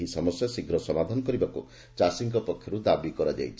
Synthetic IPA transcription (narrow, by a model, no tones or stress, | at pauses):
isɔmɔsjasiɡɾɔsɔmad̪ʱanɔkɔɾibakṵ | t͡ʃasiŋkɔpɔkʰjɔɾud̪abikɔɾad͡ʒa̰jt͡ʃʰ